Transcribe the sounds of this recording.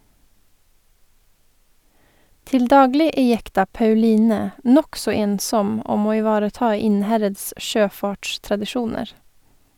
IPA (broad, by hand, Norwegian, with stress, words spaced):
ˈtɪl ˈdɑːɡlɪ ˈeː ˈjɛktɑ pɑʉˈliːnɛ ˈnɔksɔ ˈeːnˌsɔm ˈɔm ˈoː ɪˈʋɑːɾəˌtɑː ˈɪnˌhɛɾəds ˈʃøːˌfɑːʈʃtɾɑdɪˌʃuːnəɾ